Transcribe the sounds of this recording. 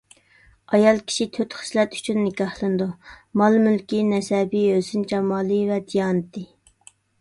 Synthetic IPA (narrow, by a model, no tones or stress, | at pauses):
ɑjɑlˠkʲʰi̥ʃit̪ʰøt̪χə̥slɛt̪y̥t͡ʃʰynːɪkʲɑhlˠɨnd̪umɑlˠmylkʲinɛsɛbiøsynt͡ʃʰɑmɑːlˠɨvɛd̪ijɑːnɨt̪ʰɪ